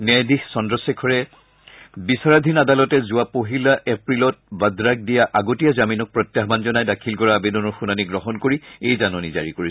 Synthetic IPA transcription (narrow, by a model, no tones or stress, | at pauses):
nɛjdixsɔndɹɔsekʰɔɹɛ | bisaɹadʱinadalɔtɛzʊapoɦilaʔepɹilɔt̚badɹak̚dijaʔaɡotijazaminɔk̚pɹɔt̪jaɦbanzɔnajdakʰilkɔɹaːbedɔnɔɹxunaniɡɹɔɦɔnkoɹiejzanɔniza̰ɹikoɹi